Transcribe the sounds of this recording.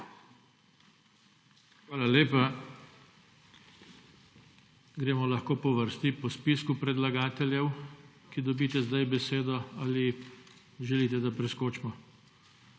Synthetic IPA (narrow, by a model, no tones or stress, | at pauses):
xʋaːlaleːpa | ɡɾeːmɔlaxkoːpɔʋəɾst̪ipɔspiskupɾɛd̪laɡaːt̪ɛljɛw | kid̪ɔbiːt̪ɛzd̪ajbɛseːd̪ɔali | ʒɛliːt̪ɛd̪apɾɛskoːt͡ʃmɔ